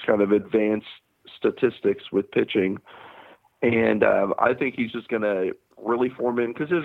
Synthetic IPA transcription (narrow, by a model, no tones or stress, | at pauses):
kʰãɪ̃ndʌvɨdvæ̃ns | tɨtʰɪstɨkswɨð̥pʰɪt͡ʃɪ̃ŋ | ɨ̃nʌ̰̃ma̰ɪθɪ̃ŋkhizd͡ʒʌsɡ̥ʌnɨ | ɹɪlˠifɔɹmɨ̃nkʰʌzɨz